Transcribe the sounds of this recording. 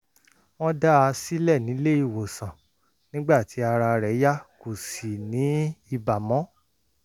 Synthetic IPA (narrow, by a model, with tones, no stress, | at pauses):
w̃ɔ̃˦da˦a˧si˦lɛ˦˨nĩ˨˦le˦i˦˨wo˨sã˨ | nĩ˦ɡ͡ba˦˨ti˨˦a˧ɾa˧ɾɛ˨˦ja˦ko˨si˨nĩ˨˦i˧ba˨mɔ̃˨˦